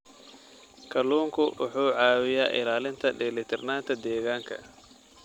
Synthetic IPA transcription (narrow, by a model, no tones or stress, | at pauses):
kʰɐluːŋkʰʊwʔʊ̰ħuːʕɑːwɪjaːʔɪ̰laːlɪnt̪ʰɐɖɛlɪt̪ʰɪrnaːnt̪ʰɐd̪ɛːɣaːŋkʰɐ̰